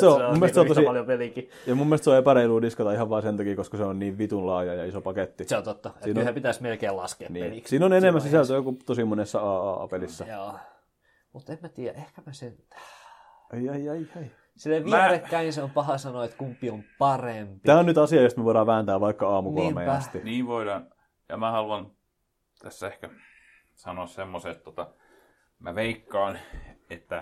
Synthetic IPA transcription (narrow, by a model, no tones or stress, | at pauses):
seomumːelest̪seont̪oiɑljopeliki | jɑmumːelst̪seoepæɾeiluːdiskɑt̪ɑihɑʋʋɑːsenɑkiːkoskɑseonniːʋʋit̪unlɑːjɑjɑisopɑket̪ːiseont̪ot̪ːɑeiːnosæpit̪æsmelkeːlɑ̰skeɑniːlikssiːnonenemːæsisælt̪øːkut̪osimonesːɑɑːɑːɑ̰pelisːɑjoː | mut̪emmæt̪iːjæ̰ʔehkæmæsen | ɑiɑiɑiɑi | silːeiærekːæiniseompɑhɑsɑnoet̪kumpːiompɑrempit̪æːonyt̪ɑsiɑjost̪meʋoˑiɾɑːʋʋæːnt̪æːʋʋɑikːɑɑːmukolːmeɑst̪iniːʋoilɑn | jɑ̰mæhɑluɑn | t̪ʰæsːæehkæ | sɑnoɑssemːoset̪t̪ot̪ɑ | mæʋeikːɑːnet̪ːæ